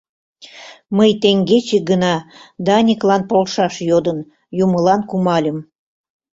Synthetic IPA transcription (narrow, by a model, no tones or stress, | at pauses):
məjt̪eŋɡet͡ɕeɡənɑd̪ɑnʲiklɑnpolʃɑʃjod̪ən | juməlɑnkumɑlʲəm